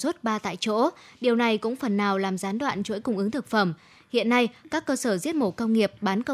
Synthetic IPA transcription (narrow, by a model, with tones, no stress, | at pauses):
su˦˥t̚ɓaː˧t̪a̰ː˧˨jt͡ɕo̰˧˥ɗi˨˩əwna˨˩jkʊ̰˧˥ŋ͡mfə˨˩nːaː˨˩wlaː˨˩mzaː˨˦nɗwa̰ː˧˨nt͡ɕo̰˧˥jkʊ˧wŋ͡mʔɨ˨˦ŋt̪ʰɨ˨˩k̚fə˧˩m | hḭ˧˨ənːa˧jkaː˦˥kːəː˧səː˧˩zi˦˥ət̚mo˧˩kə˧wŋ͡mŋi˨˩əp̚ɓaː˨˦nkə˧